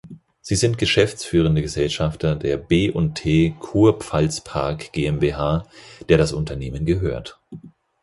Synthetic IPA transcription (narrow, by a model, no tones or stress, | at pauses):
z̥iːzɪntɡ̥əʃɛft͡sfyːʁ̞əndəɡəzɛlʃaftʰɐdeːɐbeːʔʊnttʰeːkʰuːɐpp͡falspʰaɐkɡ̥eːɛmbeːɦaːd̥eːɐɾasʊntʰɐneːmənɡəɦøːɐt